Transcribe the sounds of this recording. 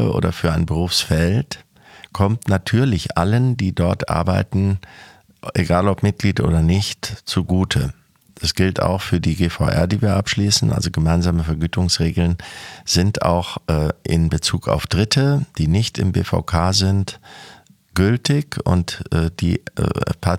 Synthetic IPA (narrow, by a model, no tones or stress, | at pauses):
ʔo̰ːdɐfyːɐaɪnbəʁ̞uːfsfɛlt | kʰɔmtnatʰyːɐlɪçʔaləndiːdɔɐtʔa̰ɐbaɪtn̩ | ʔeɡaːlɔpmɪt̚ɡ̥liːtʔo̰ːdɐnɪçtt͡suɡuːtʰə | d̥asɡ̥ɪlta̰ʊxfyːɐdiːɡeːfaʊʔɛ̰ɐdiːviːɐʔapʃliːsn̩ʔa̰lzoɡəmaɪnzaːməfɛɐɡyːtʊŋsʁeːɡl̩nz̥ɪnta̰ʊxʔːʔɪ̰nbət͡suːkʰa̰ʊfd̥ʁɪtʰəd̥iːnɪçtɪmbḛːfa̰ʊkʰaːzɪnt | ɡ̥ʏltɪçʊ̰ntːd̥ḭːpʰa